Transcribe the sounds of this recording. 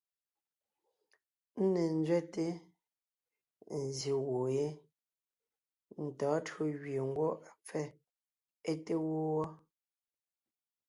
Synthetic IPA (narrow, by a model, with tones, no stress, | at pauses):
n̩˦ne˨n˦d͡zɥɛ˦te˦ | n̩˨ze˨wo˨je˦ | n̩˨tɔː˨˦tɰo˦ɣɥje˨ŋ̩˦ɡwo˦ʔa˨p͡fɛ˦ | e˦te˦wo˦wɔ˦